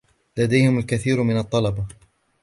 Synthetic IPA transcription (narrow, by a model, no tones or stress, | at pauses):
lad̪ajhɪmalkaθiːɾmɪnɑt̪ˤːɑlɑbɑ